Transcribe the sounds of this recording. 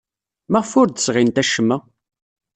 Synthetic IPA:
mæʁfʊɾd̪əsʁint̪æʃəmːæ

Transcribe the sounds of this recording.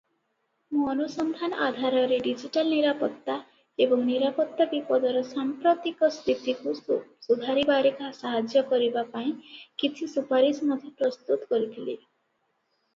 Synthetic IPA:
mũɔnusɔnd̪ʱanɔʔad̪ʱaɾɔɾeɖid͡ʒiʈalniɾapɔt̪ːa | ebɔŋniɾapɔt̪ːabipɔd̪ɔɾɔsampɾot̪ikɔst̪ʰit̪ikusud̪ʱaɾibaɾekasaɦad͡ʒjɔkɔɾibapaĩkit͡ʃʰisupaɾismɔd̪ʱjepɾɔst̪ut̪ɔkɔɾit̪ʰile

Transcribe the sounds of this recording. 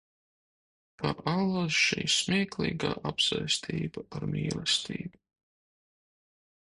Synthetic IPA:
pʰaʔalˠazʃḭːsmʲiɛklˠiːɡa̰ːʔapsajst̪ʰiːbaaɾmʲiːlˠɛst̪ʰiːbu

